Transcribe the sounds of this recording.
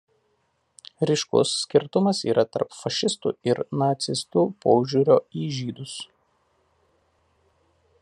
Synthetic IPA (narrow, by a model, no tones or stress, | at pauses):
ɾʲɪʃkʊ̰sːʲkʲɪɾt̪ʊmɐsḭːɾɐt̪ɐ̰ɾpfɐʃʲɪst̪ṵːɪɾnɐt̪sʲɪst̪uːpoːʒʲuɾʲoːiːʒʲiːd̪ʊs